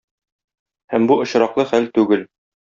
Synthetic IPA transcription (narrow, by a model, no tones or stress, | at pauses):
hæmbuŏɕɾɑqlˠɤχælt̪ʉɡɘl